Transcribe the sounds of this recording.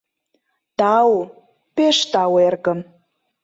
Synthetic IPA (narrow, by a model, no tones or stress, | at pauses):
t̪aw | peʂt̪awerɡəm